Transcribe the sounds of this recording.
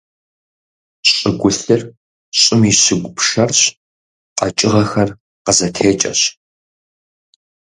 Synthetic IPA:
ɕʼɪɡʷʊɬɨr | ɕʼɪmiɕɨɡʷʊpʰʂɐrɕ | qɐt͡ʃʼɪʁɐxɐr | qəzɐtʰeːt͡ʃʼɐ̰ɕ

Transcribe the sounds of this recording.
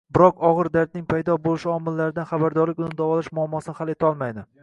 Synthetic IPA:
bɪɾɒkɒʁɨɾd̪aɾt̪̚nɪŋpʰajd̪ɒbolˠɪʃɪɒmɪlːaɾɪd̪anχabaɾd̪ɒɾlɪkʲʊnɪd̪awɒlˠɪʃmʊamːɒsɪnɪhalˠet̪ʰɒlˠmajd̪ɪ

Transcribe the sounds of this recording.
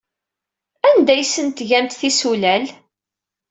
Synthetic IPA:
ænd̪æjsənt̪ʝæmt̪θisulæl

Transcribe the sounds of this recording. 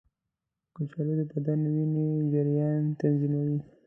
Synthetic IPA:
koʃaled̪əbad̪anwinid͡ʒaɾjɑnt̪anzimawi

